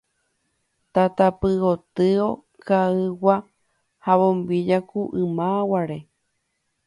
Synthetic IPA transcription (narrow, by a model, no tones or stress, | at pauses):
t̪at̪apɨot̪ɨo | kaɨwa | haβõmbid͡ʒakuʔɨmawaɾe̞